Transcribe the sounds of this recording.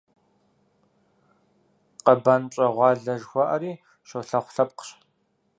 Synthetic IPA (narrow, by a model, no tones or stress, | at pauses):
qɐbɐnt͡ʃʼɐʁʷɑːɮɐʒxʷɔʔɐɾiː | ʃɐwɬɐχʷɬɐp̚qɕ